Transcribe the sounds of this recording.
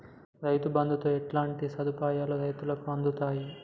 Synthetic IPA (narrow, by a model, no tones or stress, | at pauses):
ɾɐjt̪ubɐnd̪ʱut̪oeʈlaːɳʈisɐd̪ʱupaːjaːluɾɐjt̪ulɐkuɐnd̪ʱut̪aːji